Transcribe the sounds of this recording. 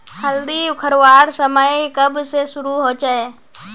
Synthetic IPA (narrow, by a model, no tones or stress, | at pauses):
həld̪iʊkʰəɾʋaːɽsəməikəbsesʊɾuɦot͡ʃaeː